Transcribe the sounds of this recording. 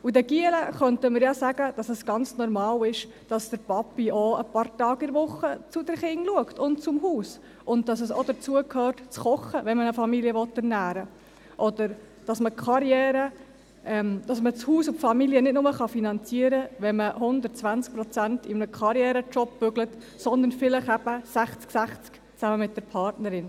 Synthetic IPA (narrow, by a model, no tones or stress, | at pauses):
udɛɡ̥iələχœntəmɪɾjɑsæɡ̥əd̥ɑsəsɡ̥ɑnt͡snɔɾmɑːlɪʃ | d̥ɑsd̥əɾpɑpːiɔə̰pɑrtɑːɡɪɾʋʊχːət͡sud̥əɾχɪŋluəktʊnt͡sʊmɦuːs | ʔʊnt̚d̥ɑsəsɔ̰dət͡suəkʰhøːrtt͡sχɔχəʋɛnmənəfɑmiliəʋɔt̪ːæɾnæːɾə | ʔɔd̪əɾ | d̥ɑsməkχɑɾjɛːɾə | ʔɛmd̥ɑsmət͡shuːsʊfɑmiliənɪtnʊməχɑfinɑnt͡siəɾəʋɛnməhʊnd̪ətt͡sʋænst͡sk̚pɾɔt͡sæntɪmnəkχɑɾjɛːɾət͡ʃɔpːʏɡlət | sɔnd̪əɾnfɪləχæb̥əsæχt͡sksæχt͡sk | t͡sæməmɪt̚d̥əɾpʰɑɾtnəɾɪn